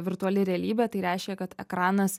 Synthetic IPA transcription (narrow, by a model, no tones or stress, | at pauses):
ʋʲɪɾt̪ʊɐlʲɪɾʲɛɐlʲiːbʲɛt̪ɐɪɾʲæɪʃʲkʲekɐt̪ɛ̰kɾɑːnɐs